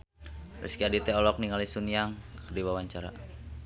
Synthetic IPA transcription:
rɛ̰skiadit̪ɛɔlɔk̚niŋalisuniaŋkərdiwawaɲt͡ʃaɾa̰

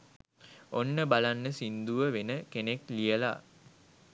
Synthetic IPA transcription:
onːəbalanːəsind̪uʋəʋenəkeneklijəla̰

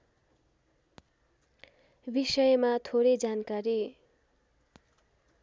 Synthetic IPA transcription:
bisʌjmat̪ʰoɾed͡zankaɾi

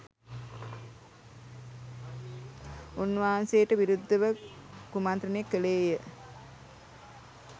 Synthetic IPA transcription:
unːʋaːanseːʈəʋiɾud̪ːəʋəkumant̪ɾənekːəleːjə

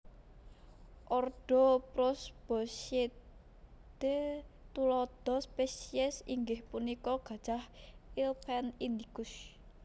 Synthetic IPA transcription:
ʔɔrɖ̥ɔ̤pɾɔsb̥ɔse | d̪̥et̪ulɔd̪̥ɔ̤spesiɛsiŋɡɪhpunikɔɡ̥ä̤d̥ʒ̥ahilpʰɛnind̪iɡ̥ʊs

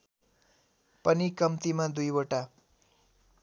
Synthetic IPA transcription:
pʌnikʌmt̪imad̪ujwoʈa

